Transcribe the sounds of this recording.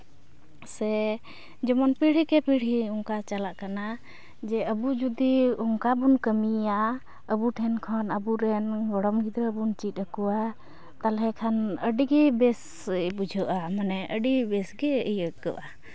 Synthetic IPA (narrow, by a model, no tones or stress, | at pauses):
sɛ | d͡ʒɔmɔnpiɽ̤ikɛpiɽ̤ɦiɔŋkat͡ʃalaʔkana | d͡ʒɛəbud͡ʒud̪iɔŋkabunkəmia | əbuʈʰɛnkʰɔnəbuɾɛnɡɔɽɔmɡʱid̪ɾəbunt͡ʃit̪̚ˀəkuwa | t̪alɦɛkʰanəɖiɡɛbɛs | bud͡ʒʱəʔamanɛʔəɖibɛsɡɛəjəɡəʔa